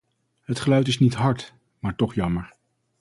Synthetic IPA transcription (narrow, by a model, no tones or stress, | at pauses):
ɦətχəlœɥtɪsnitɦɑɹt | maːɹtɔχjɑməɹ